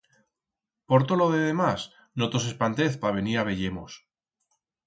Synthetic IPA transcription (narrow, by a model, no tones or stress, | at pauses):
poɾt̪oloðeðemas | not̪o̞s̬e̞spant̪eθpaβ̞e̞niɾaβ̞e̞ʎemos